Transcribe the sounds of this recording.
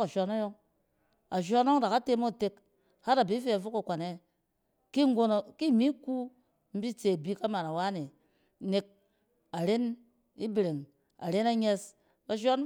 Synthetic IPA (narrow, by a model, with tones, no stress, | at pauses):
ka˨ʃʷa˧na˦jo˦ŋ | a˨ʃ̬ʷa˧n˦o˦ŋda˨ka˦te˦mo˦˨te˧k | ha˦ɾa˨bi˨˦fe˦a˨fu˦ka˨kʷa˨ne˦ | ki˦ŋ˦ɡo˦no˨ki˦˨mi˦ku˦ | m̩˦bi˦t͡se˨bi˦ka˦ma˨na˨wa˦ne˨ | ne˧k̚ | a˨ɾe˦n | i˦bɾe˨ŋ | a̰˨ɾe˦na˦ɲe˧s | ka˨˧ʃʷa˦n